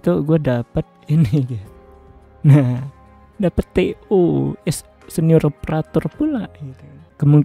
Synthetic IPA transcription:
t̪uɡuadapət̪̚iniɡa | nah | dapət̪ːeuɛs | səniʊɾopəɾat̪ʊrpulaɡit̪ukəmuŋk

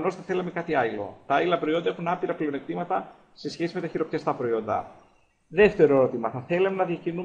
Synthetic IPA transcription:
no̞sθɐθe̞lɐme̞kɐt̪iɐilo̞̰t̪ɐɐlilɐpɾo̞io̞nd̪ɐe̞xunɐpiɾɐpleo̞nek̚t̪imɐt̪ɐ | se̞sçe̞sime̞t̪ɐçiɾo̞pt̪ɐst̪ɐpɾo̞io̞nd̪ɐ̰ | ðe̞ft̪e̞ɾoeɾo̞t̪imɐθɐθe̞lɐmenɐðjɐcinu

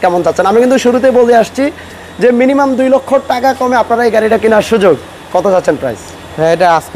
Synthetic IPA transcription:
kɛmond͡ʑatːɕʰenamikint̪uʃuɾut̪̬ebolt̪eaʃt͡ɕʰi | d͡ʑeminimamd̪ujlokʰːoʈakakɔmeapnaɾaejɡaɾiʈakinaɾʃud͡ʑoɡ | kɔt̪ʰod͡ʑatːʰenpɾa̰js | ɛ̃eʈaas

